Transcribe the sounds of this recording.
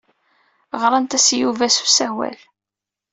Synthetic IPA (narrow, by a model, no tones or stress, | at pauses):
ʁɾˤɑnt̪æsjuvæsu̥sæwæ̰l